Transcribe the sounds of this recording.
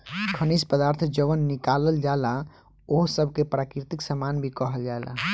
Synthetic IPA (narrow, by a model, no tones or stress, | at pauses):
kʰənispəd̪aɾt̪ʰd͡ʒəʋənːikaləld͡ʒaela | oɦsəbʱkepɾakɾit̪iksəmanbʱikəɦəld͡ʒaela̰